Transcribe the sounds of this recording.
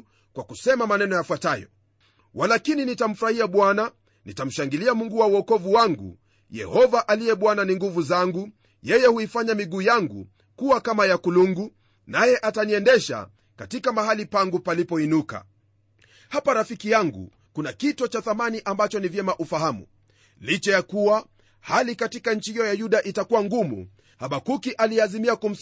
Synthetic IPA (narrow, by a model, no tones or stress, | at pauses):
kwakusɛmamanɛnɔjafwatajɔ̰ | walakininitam̩fuɾahiaɓwana | nitam̩ʃaŋɡiliamuŋɡuwawɔkɔvuwaŋɡṵ | jɛ̰hɔvaʔalijɛɓwananiŋɡuvuzaŋɡu | jɛjɛhuifaɲamiɡuːjaŋɡṵ | kuwakamajakuluŋɡu | najɛʔataniɛndɛʃa̰ | katikamaɦalipaŋɡupalipɔinuka̰ | hapaɾafikijaŋɡṵ | kunakitɔt͡ʃaθamaniʔambat͡ʃɔnivjɛmaʔufaɦamṵ | lit͡ʃɛjakuwa | halikatikaɲ̩t͡ʃihijɔjajuɗaʔitakuwaŋɡumṵ | haɓakukiʔaliazimiakum̩s